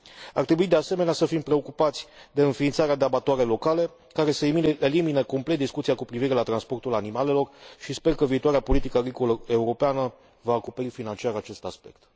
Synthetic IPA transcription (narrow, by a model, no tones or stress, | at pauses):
a̰rt̪ɾebuid̪e̞ase̞me̞neasəfimpɾe̞o̞kupat̪sʲd̪e̞ɨnfiːnt̪saɾead̪e̞abat̪oaɾe̞lo̞kale̞ | kaɾe̞səeelimineko̞mplet̪̚d̪iskut̪sijakupɾiviɾe̞lat̪ɾanspo̞rt̪ulanimale̞lo̞rʃispe̞rkəviːt̪owaɾeapo̞lit̪ikəaɡɾiko̞ləe̞uɾo̞peanə | vaːko̞pe̞ɾifinant͡ʃiaɾat͡ʃe̞st̪aspe̞kt̪